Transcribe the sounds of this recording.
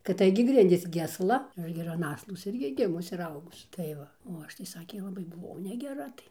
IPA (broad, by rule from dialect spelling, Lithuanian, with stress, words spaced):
kɐt ˈtɐɪɡʲɪ ˈɡrʲɪnʲdʲiːs ɡʲɪ ɐsˈlˠɐ ˈɐʃ ɡʲɪ ɪr ɐn ˈɑːslˠoːs ˈɪrʲɡʲɪ ˈɡʲɪmʊs ɪr ˈɐʊɡʊs tɐɪ ˈʋɐ oː ˈɐʃ tɐɪ ˈsɑːkʲeː lˠɐˈbɐɪ bʊˈʋɐʊ nʲɛɡʲɛˈrɐ tɐɪ